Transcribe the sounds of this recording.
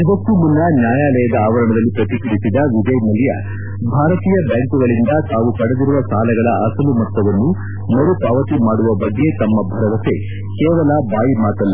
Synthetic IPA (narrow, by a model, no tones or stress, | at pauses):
ibɐt̪ːumunːɐnjaːjaːlɐjɐd̪ɐaːʋɐɾɐɳɐd̪ɐlːipɾɐt̪ikiɽisid̪ɐʋid͡ʒɐjnɐlijɐ̰ | bʱaːɾɐt̪iːjɐbaːŋkuɡɐɭind̪ɐt̪aːʋukɐɽed̪iɾuʋɐsaːlɐɡɐɭɐʔɐsɐlumɐt̪ːɐʋɐnːu | nɐɾupaːʋɐt̪imaːɽuʋɐbɐɡːe̞t̪ɐmːɐbʱɐɾɐʋɐt̪e̞ | kɛːʋɐlɐbaːjimaːt̪ɐlːɐ